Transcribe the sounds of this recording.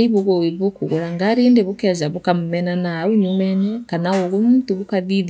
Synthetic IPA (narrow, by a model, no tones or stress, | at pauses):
iβoɣowiβokuɣoɾaŋɡaɾeːndeβokazaβokamumɛnanauɲumɛɲɛkanaoɣomuːtuβokaðið